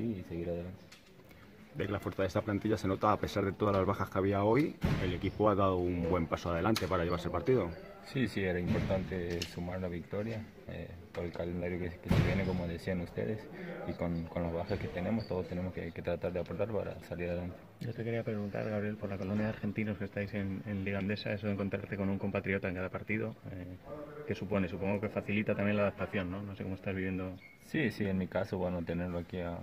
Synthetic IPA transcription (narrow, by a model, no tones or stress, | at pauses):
siːseɣiɾaðelant̪e | d̪ekelafo̞ɾθaðest̪aplant̪iʎase̞no̞t̪aːpe̞saɾðe̞t̪o̞ðazlazβaxaskaβiao̞je̞le̞kipoaðaðoumbwe̞mpasoaðe̞lant̪e̞paɾaʝe̞βaɾselpaɾt̪iðo̞ | sisieɾaimpoɾt̪ant̪esumaɾlaβik̚t̪oɾja | ḛ | poɾelkalend̪aɾjokekeseβjeneko̞moðesianust̪ḛðesikonkonlozβaxesket̪ene̞most̪oðost̪enemoskeket̪ɾat̪aɾðeapoɾt̪aɾpaɾa̰saliɾaðelant̪e̥ɟ͡ʝot̪eke̞ɾiapɾe̞ɣunt̪a̰ɾɣaβɾje̞lpo̞ɾlako̞lonjaðeaɾxe̞nt̪ino̞ske̞st̪ajse̞nenliɣand̪e̞sa̰e̞so̞ðeŋko̞nt̪ɾa̰ɾt̪e̞ko̞nuŋko̞mpat̪ɾio̞t̪aeŋkaðapaɾt̪iðoeke̞supo̞ne̞s̬upo̞ŋɡo̞ke̞faθilit̪at̪amje̞nlaðap̚t̪aθjo̞nːo̞noseko̞moest̪azβiβje̞nd̪o̞ | sisienmikasoβwenot̪e̞neɾloakia